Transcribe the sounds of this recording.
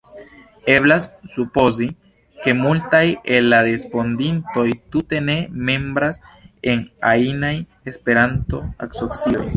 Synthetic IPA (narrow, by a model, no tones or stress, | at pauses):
e̞blasːupo̞zi | ke̞multajelːaɾespo̞ndinto̞jt̪ute̞ne̞me̞mbɾase̞na̰inaj | espe̞ɾanto̞̰a̰ksopsio̞̰j